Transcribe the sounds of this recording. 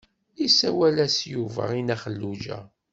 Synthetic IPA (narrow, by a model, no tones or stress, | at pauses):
isæwælæsjuvə̰ʁinæχəlːud͡ʒæ̰